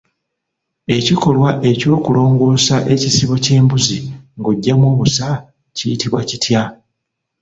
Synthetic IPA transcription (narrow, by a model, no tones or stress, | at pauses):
e̞ciko̞lwaʔe̞co̞ːkulo̞ːŋɡo̞ːsaʔe̞cisiβo̞ce̞ːmbuziŋɡoɟːamwo̞ːβusa | cijitiβwacitʰja